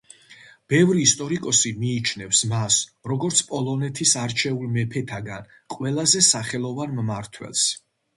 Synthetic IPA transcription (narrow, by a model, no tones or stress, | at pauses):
b̥ɛvɾiːst̪ʼɔɾikʼɔsimiːt͡ʃʰnɛfsmasɾɔɡɔɾt̪sʰpʼɔlˠɔnɛt̪ʰisaɾt͡ʃʰɛulˠmɛpʰɛt̪ʰaɡan | qʼwɛlˠazɛsaχɛlˠɔvanmmaɾt̪ʰwɛ̰lˠs